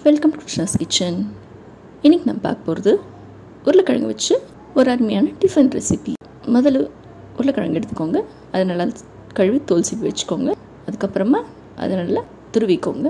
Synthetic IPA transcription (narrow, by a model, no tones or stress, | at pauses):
ʋɛlkɐmkɾɪt͡ʃnɐskɪt͡ʃːɐn | ɪnːɪkːina̰mːɐpa̰ːɾkɐ̥poːɾɐðɯ | ʊɾɐlɐkːɐɻɐ̰ŋɡɐʋɐt͡ʃːɯ | ɔɾaːɾmɐjaːnɐɖɪfɾɐnʈɾɛ̰sɪpi | mɔðɐl | ʊɾɐlɐkɐɻɐ̰ŋɡɛɽɯt̪ːɯ̥kːoːŋɡɐ | ɐðɐnɐːlaː | kɐɻʋit̪oːlsipːiʋɐt͡ʃːɯ̥kːoːŋɡɐ | ɐðɯkːɐpːɯɾɐmaː | ʔɐ̰ðɐnɐːllaː | t̪ʊɾɯʋɪkːo̰ːŋɡɐ